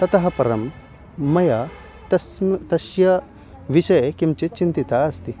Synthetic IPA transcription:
t̪ɐt̪ɐɦɐ̆pɐɾɐmː | ɐja | t̪ɐt̪ɐʃjɐ | ʋiʃɐjɐkimt͡ʃit͡ʃint̪it̪aɐst̪i

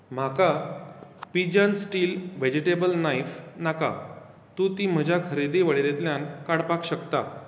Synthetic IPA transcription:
m̤aka | pid͡ʑənsʈiːlʋed͡ʑiʈebəlnajfnaka̰ | t̪ũt̪im̤əd͡ʑʱjakʰəɾid̪iːʋəɭeɾet̪ljãnkaɽpakɕəkt̪a

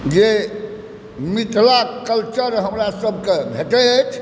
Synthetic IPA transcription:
d͡ʒe | mit̪ʰlakəlt͡ʃəɾɦəmɾasəbʱkebʱeʈeət͡ʃʰ

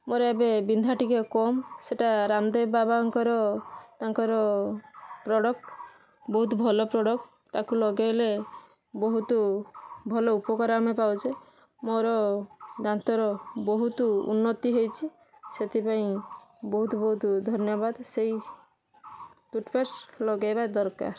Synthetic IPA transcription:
moɾɔebebind̪ʱaʈikekɔmseʈaɾamd̪ebabaŋkɔɾɔt̪aŋkɔɾɔ | pɾɔɽɔk̚ʈ | bɔɦut̪bʱɔlɔpɾɔɽɔkʈ | t̪akulɔɡejle | bɔɦut̪ɔbʱɔlɔupɔkɔɾamepawt͡ʃʰe | moɾɔd̪ant̪ɔɾɔbɔɦut̪uṵnːɔt̪iɦojt͡ʃʰi | set̪ipaĩbɔɦut̪bɔɦut̪d̪ʱɔnjɔbad̪sej | t̪uʈpeɾslɔɡebad̪ɔɾka̰ɾ

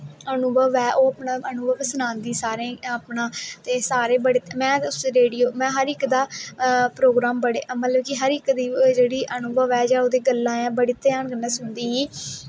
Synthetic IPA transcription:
ənuːbəʋɛːʔoːəpɳãːənuːbəʋsənãːnd̪iːsaːɾẽːəpɳãːt̪eːsaːɾẽːbəɽeːt̪ːmɛ̃ːʊseɾeːɽijoːmɛ̃ːɦəɾɪkd̪aːpɾoːɡɾaːmbəɽeːamət̪ləbkɪɦəɾɪkd̪iːd͡ʒeːɽiːʔənuːbəʋɛːd͡ʒaːoːd̪eːɡəlːãːãːbəɽiːt̪ejaːɳɡənːãːsʊnd̪iːiː

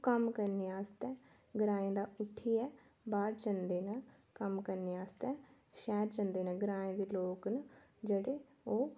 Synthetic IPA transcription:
kəmkəɾneːaːst̪ɛː | ɡəɾaːẽːd̪aːʊʈʰːiːɛː | baːɾd͡ʒənd̪eːnə | kəmkəɾneːaːst̪ɛː | ʃɛːɾd͡ʒənd̪eːnəɡəɾaːẽːd̪eːloːknəd͡ʒeːɽeː | oː

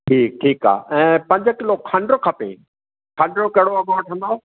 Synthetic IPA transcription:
ʈʰiːk̚ʈʰiːka̰ːɛ̃ːpɐ̃ɲd͡ʑkɪlokʰɐ̃ɳɖɾokʰɐpḛ | kʰɐ̃ɳɖɾokɐɦɪɽoɐɡaːʈʰɐ̃nd̪ao

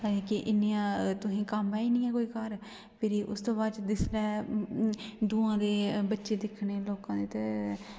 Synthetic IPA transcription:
kiʔɪniãːt̪ʊsĩːkəmːɛːiːnĩːɛ̃ːkoːiːkəɾ | pʰɪɾːʔʊ̰st̪õːbaːd̪t͡ʃd̪ɪslɛː | d̪uːãːd̪eːbətːʃeːd̪ɪkʰneːloːkãːd̪eːt̪e

